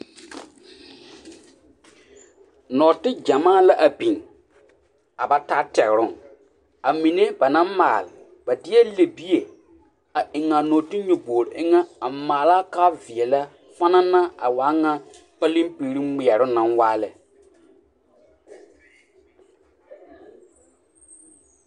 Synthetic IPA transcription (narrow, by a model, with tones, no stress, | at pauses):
nɔ˨tɪ˦d͡ʒa˨maː˦˨la˦ʔa˨bi˨ŋ | a˨ba˨ta˦tɛ˨ɣɪ˨ɾʊ˦ŋ | a˨mi˨ne˦ba˨nã˦ma̰ː˨lɪ˨ | ba˨dɪ˦ɛ˦le˨bi˦e˨ | a˨ʔɪ˨ŋa˨no˨ti˦ɲu˨boː˨ɾɪ˨ʔɪ˦ŋa˦a˨maː˨la˦ka˦vɪ˨ɛ˨la˦ | fa˦na˦na˦a˨waː˨˦ŋa˦ | pa˦lĩ˦mpi˨˦ɾi˦mɪ˨ɛ˨ɾʊ˦nã˦nwaː˦lɛ˨